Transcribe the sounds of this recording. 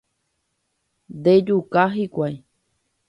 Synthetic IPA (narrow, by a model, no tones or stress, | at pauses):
d̪ed͡ʒukaɦikʷaj